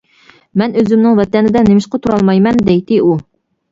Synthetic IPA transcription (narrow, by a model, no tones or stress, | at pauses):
mɛnøzymnɪŋvɛt̪ɛnɪd̪ɛnemɪʃqɑt̪ʰuɾɑlˠmɑjmɛnd̪ɛjt̪ɪu